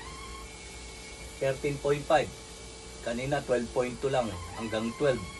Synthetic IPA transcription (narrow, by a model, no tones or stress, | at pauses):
sɛɾt̪ɪnpojnt̪pajd̚ | kaninat̪wɛld̚pojnt̪ʊlaŋa̰ŋɡaŋt̪wɛlb